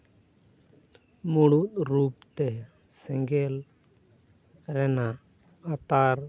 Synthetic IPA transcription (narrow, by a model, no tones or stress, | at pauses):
muɽut̪̚ɾup̚t̪ɛ | sɛ̃ŋɡɛl | ɾɛnaʔ | at̪aɾ